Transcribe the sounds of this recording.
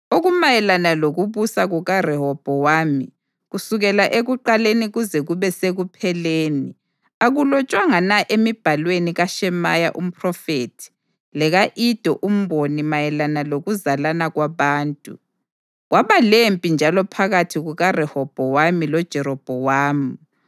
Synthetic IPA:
oɣumajɛlanaloɣuβusaɣuɣarɛhɔb̥ʱɔwaːmi | ɣusuɣɛlaʔeɣuǃaleniɣuzɛɣuβɛseɣupʰɛleːni | aɣulɔt͡ʃʼwaŋanaʔemib̥ʱalweniɣaʃɛmaja̰ʔum̩pʰʼrɔfetʰi̥ | lɛɣaʔid̥ʱɔʔum̩βonimajɛlanaloɣuzalanaɣwaβaːntʼṵ | ɣwaβalempʼind͡ʒʱalɔpʰaɣatʰiɣuɣarɛhɔb̥ʱɔwamilɔd̥ʒ̥ʱɛɾɔb̥ʱɔwaːmi

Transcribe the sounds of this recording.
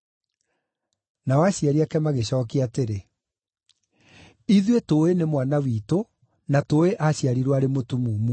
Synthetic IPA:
naɔwaɕiaɾiakɛmaɣeɕɔːkiateɾe | iðwetoːenemwanawiːto | natoːeʔaɕjaɾiɾwaɾemotumuːmu

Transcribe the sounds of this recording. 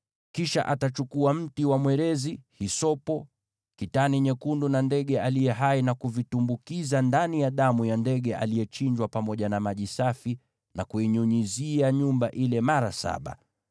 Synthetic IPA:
kiʃa̰ʔatat͡ʃukuam̩tiwamwɛɾɛzihisɔpɔ | kitaniɲɛkundunandɛɠɛʔalijɛɦainakuvitumbukizandanijaɗamujandɛɠɛʔa̰lijɛt͡ʃiɲd͡ʒwapamɔʄanamaʄisafi | nakuiɲuɲiziaɲumbaʔilɛmaɾasa̰ɓa̰

